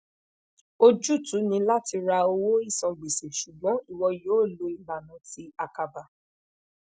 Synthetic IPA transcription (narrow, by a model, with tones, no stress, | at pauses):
o˦d͡ʒu˦˨tu˨˦nĩ˧la˦ti˧ɾa˧o˧wo˦i˦˨sɔ̃˨˧ɡ͡bi˨se˨ʃu˨ɡ͡bɔ̃˨˦i˦˨wɔ˧joː˨˦˨lo˧i˨ba˨nã˨˦ti˦a˧ka˧ba˨